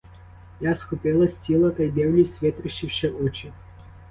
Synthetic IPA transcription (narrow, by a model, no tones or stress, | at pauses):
jasxɔpɪlˠɐsʲt͡sʲilˠɐt̪ɐjd̪ɛwlʲisʲʋʲɛt̪ɾɪʃt͡ʃiʃt͡ʃɛɔt͡ʃɪ